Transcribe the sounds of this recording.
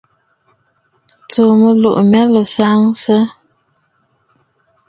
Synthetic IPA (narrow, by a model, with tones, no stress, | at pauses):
t͡so˨mə˨lo̰˨ʔmɛ˦lə˨sa˦ŋsə˦